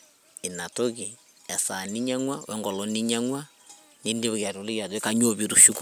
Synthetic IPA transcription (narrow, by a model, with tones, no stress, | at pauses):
i˨na˨to˦ɣi˨ | ɛ˨sa˨ni˦ɲa˦ŋwa˦wʔɛ̰˦ŋɡɔ˨lɔ˦ni˦ɲa˦ŋwa˦ | ni˦ndi˦βɣja˨ɾo˨li˦ɣja˨zwe˦ka˦ɲ˦o˦βi˦ɾu˨ʃu˦ku˦